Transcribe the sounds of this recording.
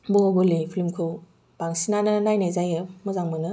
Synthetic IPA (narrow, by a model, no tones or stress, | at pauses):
bɔbɯlipʰlimkʰɯw | baŋsinanɯnajnajzajɯmɔzaŋmɯnɯ